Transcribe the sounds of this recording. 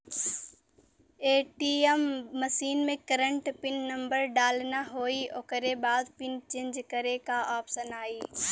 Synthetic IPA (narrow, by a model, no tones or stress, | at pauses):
eːʈiːemːɐsiːnmẽkɐɾəɳʈpɪnːɐ̃mbəɾɖaːlnaɦoːioːkəɾebaːd̪pɪnt͡ʃẽnd͡ʒkɐɾekaʔaːpsənaːiː